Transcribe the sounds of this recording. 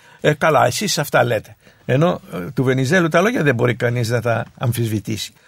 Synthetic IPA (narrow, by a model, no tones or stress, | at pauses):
ekɐlɐ̰e̞sisɐft̪ɐle̞t̪e̞̥ | eno̞t̪uve̞nizelut̪ɐlo̞ʝɐðebo̞ɾikɐniznɐt̪ɐɐɱfizvit̪isi̥